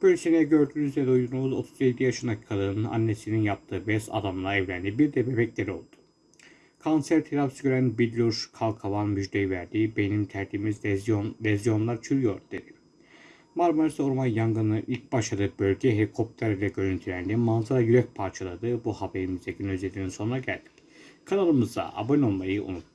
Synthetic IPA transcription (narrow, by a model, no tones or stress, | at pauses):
b̥ølʲsinɛɟø̞ɾd̪yːnyzvɛd̪ujd̪uɾumuzo̞t̪ʰuzjed̪ijaʃɯnacʰi̥kʰad̪ɯːnɯna̰nːesininjap̚t̪ʰɯːbɛsa̰d̪amlˠaɛvlʲænd̪ibiɾd̪ɛbebɛclʲeɾio̞lˠd̪u̥ | kʰonsæɾt̪ʰilafsɡʲøɾænbid̪lʲuɾʃkʰalˠkʰavanmyd͡ʒd̪ejivæɾd̪iːbe̞nimt̪ʰæɾt̪ʰimiznlʲɛzjo̞nlˠaɾt͡ʃʰyɾyjo̞ɾd̪ed̪i | maɾmoɾisoɾmanjaŋɡɯnɯʔilʲc̚baʃad̪ɯbølʲɟɛɦɛlʲikʰo̞p̚t̪ʰæɾilʲɛɟøɾynt̪ʰyɾʲænd̪imanzaɾajyɾɛc̚pʰaɾt͡ʃʰalˠad̪ɯbuhabeɾimizd̪ɛɟynøzed̪ininso̞nunaɟælʲd̪ic | kʰanalˠɯmɯzd̪a̰ʔa̰bonʲolˠmajɯʔṵnut̪̚